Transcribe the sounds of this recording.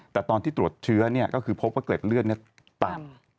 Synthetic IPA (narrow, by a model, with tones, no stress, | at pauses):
t̪ɛː˨˩t̪ɔː˧niː˥˩t̪ɾu˨˩ət̪̚t͡ɕʰɯ˦˥ɐni˥˩ɐkɔː˥˩kʰɯː˧pʰo˦˥p̚waː˥˩kle˨˩p̚lɯ˥˩əni˥˩ə | t̪a˨˩